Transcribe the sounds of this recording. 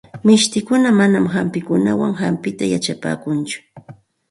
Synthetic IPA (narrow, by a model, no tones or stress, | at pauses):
mɪʃt̪ɪkʊnamanamhampɪkʊnawaŋxampɪt̪ajat͡ʃapa̰ːkʊnt͡ʃʊ̥